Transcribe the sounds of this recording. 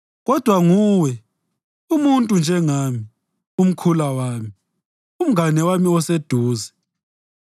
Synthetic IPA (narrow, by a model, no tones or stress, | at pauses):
ɣɔd̥ʱwaŋuːwɛ | umuntʼund͡ʒʱɛŋami | um̩kʰulawaːmi | um̩anɛwamiɔsed̥ʱuːzɛ